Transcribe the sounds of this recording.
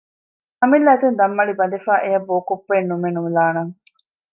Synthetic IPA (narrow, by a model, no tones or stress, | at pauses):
ɐmilːæet̪und̪ɐmːɐɭibɐd̪efaːʔejɐbːoːkupːeːnːumenumilaːnɐŋ